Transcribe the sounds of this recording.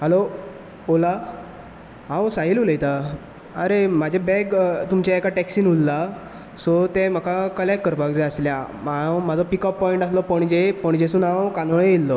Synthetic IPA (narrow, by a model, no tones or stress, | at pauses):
hɛlo | ola | ɦãwsaɦiluləjt̪a | əɾemad͡ʑʱebɛɡt̪umt͡ɕaekaʈɛksiːnulːa | sɔt̪ɛ̃m̤əkakəljakkːəɾpakd͡zeəsljamamad͡zʱɔpikɔpːɔiɳʈaslɔpəɳd͡ʑepəɳd͡ʑesuːnãwkanoɭeilːɔ